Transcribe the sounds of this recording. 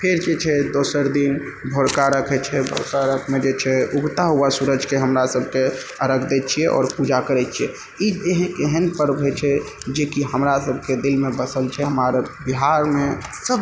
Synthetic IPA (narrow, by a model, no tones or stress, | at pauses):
pʰeɾd͡ʒet͡ʃʰɛd̪osəɾd̪in | bʱoɾkaɾəkʰɛt͡ʃʰɛbʱo̰ɾkaɾəkʰmed͡ʒet͡ʃʰɛuɡt̪aɦuasuɾəd͡ʒʱkeɦəmɾasəbʱke | əɾəkʰd̪ɛt͡ʃʰiɛʔɔ̰ːɾpud͡ʒakəɾɛt͡ʃʰiɛ | ieɦkeɦənpəɾbʱet͡ʃʰɛd͡ʒekiɦəmɾasəbʱked̪ilmebəsəlt͡ʃʰɛɦəmaɾbiɦaɾmesəb